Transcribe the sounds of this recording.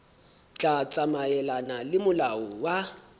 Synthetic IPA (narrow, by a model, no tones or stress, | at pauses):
t͡ɬʼat͡sʼamaɛlanalɪmʊlaɔwa